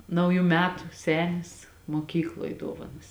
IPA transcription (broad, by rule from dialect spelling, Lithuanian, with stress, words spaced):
ˈnɐʊjʊ ˈmʲæːtʊ ˈsʲæːnʲɪs moːˈkʲiːklˠoːj ˈduɔʋɐnɐs